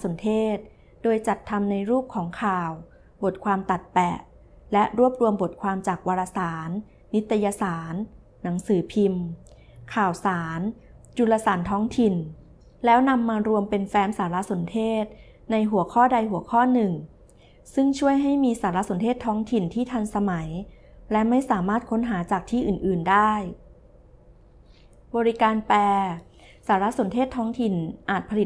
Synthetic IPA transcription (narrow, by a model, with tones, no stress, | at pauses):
so˩˦nt̪ʰeː˥˩t̪̚ | doː˧jt͡ɕa˨˩t̪ʰːa˧mna˧jɾuː˥˩p̚kʰɔː˩˦ŋkʰaː˨˩w | bo˨˩t̪̚kʰwaː˧mt̪a˨˩t̪̚pɛ˨˩ʔ | lɛ˦˥ʔɾu˥˩əp̚ɾu˧əmbo˨˩t̪̚kʰwaː˧mt͡ɕaː˨˩k̚waː˧ɾaː˧saː˩˦nː | i˦˥t̪ːa˧ja˧saː˩˦nː | a˩˦ŋsɯː˩˦pʰi˧m | kʰaː˨˩wsaː˩˦n | t͡ɕu˧la˧saː˩˦nt̪ʰɔː˦˥ŋt̪ʰi˨˩n | lɛː˦˥wna˧mːaː˧ɾu˧əmpe˧nfɛː˦˥nsaː˩˦la˧˥so˩˦nt̪ʰeː˥˩t̪̚ | na˧jɦu˩˦kʰɔː˥˩da˧jhu˨˩˦ɐkʰɔː˥˩nɯ˨˩ŋ | sɯ˥˩ŋt͡ɕʰu˥˩əjɦa˥˩jmiː˧saː˩˦ɾa˦˥so˨˩˦nt̪ʰeː˥˩t̪ʰːɔː˦˥ŋt̪ʰi˨˩nt̪ʰiː˥˩t̪ʰa˧nsa˧ma˩˦j | lɛ˦˥ma˥˩jsaː˩˦maː˥˩t̪̚kʰo˦˥nɦaː˩˦t͡ɕaː˨˩k̚t̪ʰiː˥˩ʔɯː˨˩nʔɯː˨˩ndaː˥˩j | bɔː˧ɾi˦˥kaː˧npɛː˧ | saː˩˦ɾa˦˥so˨˩˦nt̪ʰeː˥˩t̪ʰːɔː˦˥ŋt̪ʰi˨˩nʔaː˨˩t̪̚pʰa˧li˨˩t